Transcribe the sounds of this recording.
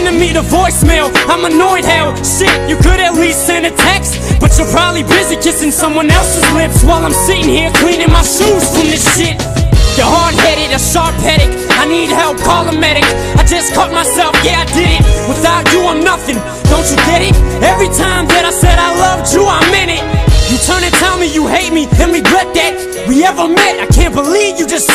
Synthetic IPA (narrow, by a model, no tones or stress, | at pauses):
nɨmiɾəvɔɪsmeɪlˠãɪ̃mənɔɪd̚haʊ | ʃɪtjɨkʰɨɾɨtˡlistsɛ̃nɨtʰɛks | b̥ʌt͡ʃə˞pʰɹ̥ɑdˡlibɪzikʰɪsɪ̃ŋsʌ̃mwʌ̃nɛlˠsɨzlɪ̃pswaɪlãɪ̃msɪɾɪ̃ŋhiɹkʰl̥ĩnɪ̃ŋmaɪʃuz̥fɹʌ̃mðɪsʃɪt̚ | jə˞hɑɹd̚hɛɾɨɾɨʃɑɹphɛɾɪk | aɪnid̚hɛlˠp̚kʰɑlˠəmɛɾɨk | aɪd͡ʒʌskʰɔt̚maɪsɛlˠfɡ̥ɛɾaɪdɪɾɪt̚wəθaʊt͡ʃɨə̃nʌθɪ̃ŋ | d̥õʊ̃nt͡ʃɨɡɛɾɪt̚ɛvɹitʰãɪ̃mðɨɾaɪsɛɾaɪlʌv̥tʰuamɪ̃nɪt̚jɨtʰɜ̃˞nɨ̃ntʰɛlˠmijɨheɪt̚miɨ̃nwibɹɛd̪̚ðɨt̚ | wiɛvə˞mɛɾaɪkʰæ̃nb̥əlivjɨd͡ʒʌst